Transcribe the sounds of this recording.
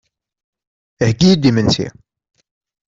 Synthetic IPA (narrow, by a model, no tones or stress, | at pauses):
əhɡijid̪ːimənsḭ